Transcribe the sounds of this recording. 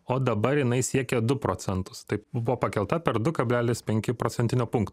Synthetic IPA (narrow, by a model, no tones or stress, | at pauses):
oːd̪ɐbɐɾjɪnɐɪsʲiɛkʲɛd̪ʊpɾoːsʲɛnt̪ʊ̥st̪ɐɪpbbʊʋoːpɐkʲɛlˠt̪ɐpʲɛɾd̪ʊkɐbʲlʲæːlʲɪspʲɛŋʲkʲɪpɾoːt̪sʲɛnʲt̪ʲɪnʲoːpʊŋkt̪